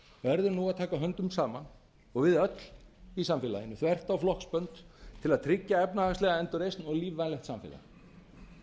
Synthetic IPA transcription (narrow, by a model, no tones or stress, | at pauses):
vɛɾðʏɾnuaðt̪ʰaːkaɦœnt̪ʏmsaːman | ɔɣvɪðœt̪l̥isamfɪːla̰jɪnːʏθvɛr̥t̪awflɔhkspœnt̪t̪ʰɪlaðt̪ʰɾɪcːaɛpnaast̪lɛɣaɛnt̪ɔɾejsnɔɣliːvvajnɛxt̪samfɪ̰ːla̰ɾ